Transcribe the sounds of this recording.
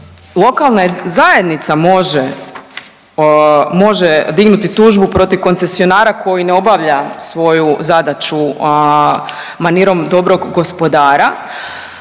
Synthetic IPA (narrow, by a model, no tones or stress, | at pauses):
lˠo̞kalˠnazajed̪nit̪samo̞ʒe | mo̞ʒed̪iɡnut̪it̪uːʒbupɾo̞t̪iʋko̞nt̪se̞sio̞naːɾako̞jineo̞baʋʎasʋo̞juzad̪at͡ʃu | maniɾo̞md̪o̞bɾo̞ɡɡo̞spo̞d̪aːɾa